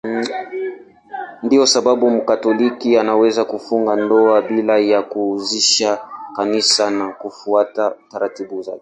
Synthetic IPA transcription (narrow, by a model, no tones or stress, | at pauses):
ndijɔsabaɓum̩katɔlikianawɛzakufuŋɡandɔabilajakuziʃakanisanakufuatautaɾatibuzakɛ̥